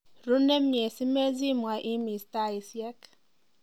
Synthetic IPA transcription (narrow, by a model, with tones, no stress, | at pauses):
ɾu˦ne˦m˦ɲe˨si˦me˦zi˦mʷ˨a˨ʔi˦mi˨sta˦˨i˨sjɛ˦k